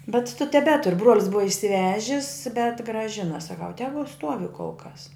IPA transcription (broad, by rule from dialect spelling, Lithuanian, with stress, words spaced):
bʲɛt tʊ tʲɛˈbʲæːtʊr bruɔlʲs ˈbʊʋɐ ɪʃʲsʲɪˈʋʲæːʒʲɪs bʲɛt ɡrɑːˈʒʲɪnɐ sɐˈkɐʊ ˈtʲæːɡʊ ˈstuɔʋʲɪ koːlˠ kɐs